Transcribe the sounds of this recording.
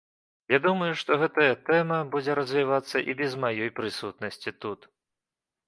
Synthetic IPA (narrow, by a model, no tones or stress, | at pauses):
jad̪umɐjuʂt̪ɔɣɛt̪ɐjɐt̪ɛmɐbud͡zʲɛɾɐzʲvʲivat̪sːɐʔibʲɛzmajɔjpɾɨsut̪̚nɐsʲt͡sʲit̪ut̪